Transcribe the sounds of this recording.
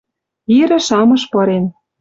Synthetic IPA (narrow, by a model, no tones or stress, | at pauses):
iɾɘ̆ʃɑmɤ̆ʃpɤ̆ɾen